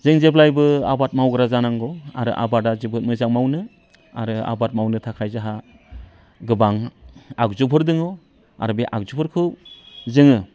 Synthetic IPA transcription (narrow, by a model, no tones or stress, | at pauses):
zɯŋzeplajbɯa̰bat̚mawɡɯɾazanaŋɡɔaɾɯʔa̰badazibɯt̚mɯjzaŋmawnɯ | a̰ɾɯa̰bat̚mawnɯtʰakʰajzaɦa | ɡɯbaŋak̚zupʰɯɾdɯŋɔ | a̰ɾɯbiʔa̰k̚zupʰɯɾkʰɯwzɯŋɯ